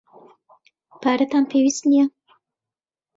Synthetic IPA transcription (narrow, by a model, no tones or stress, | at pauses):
paɾət̪ampʰewisnija